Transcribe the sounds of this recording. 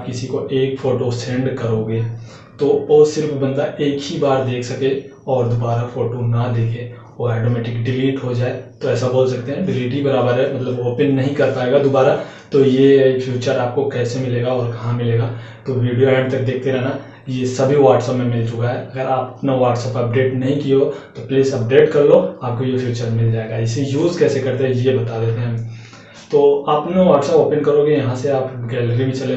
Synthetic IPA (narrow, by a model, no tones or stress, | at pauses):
pkɪsikoʔeːkfoːʈosẽɳɖkɐɾoːɡe | t̪oosɪɾfbɐ̃nd̪aʔeːkɦibaːɾd̪eːkʰsɐkẽɔːɾd̪obaːɾafoːʈonɐd̪eːkʰẽ | oɛːʈoːmɛːʈɪkɖɪliːʈɦod͡ʒaːet̪oɛːsaboːlsɐk̚t̪eɦɛ̃ɖɪliːʈ̬ibɐɾaːbəɾɦɛmɐt̪ləboːpənːɐɦĩkɐɾt̪aɦeːɡad̪obaːɾa | t̪ojefʰjuːt͡ʃəɾaːp̚kokɛːsemɪleːɡaɔːɾkɐɦãmɪleːɡaː | t̪oʋiːɖijoɛːɖt̪ɐk̚d̪eːk̚ʰt̪eɾɛɦna | jesɐbʱiʋaːʈsɛːpmẽmɪlt͡ʃʊkaɦɛɐɡəɾaːpɐpnaʋaːʈsɛːpɐp̚ɖeːʈnɐɦĩkijot̪opliːsɐp̚ɖeːʈkɐɾloaːp̚kojefʰjuːt͡ʃəɾmɪld͡ʒaːeɡaɪsejuːzkɛːsekɐɾt̪eɦɛ̃jebɐt̪ad̪eːt̪eɦɛ̃ | t̪oːapnaʋaːʈsɛːpoːpənkɐɾoːɡijɐɦãseaːpɡɛːlɾimẽt͡ʃɐle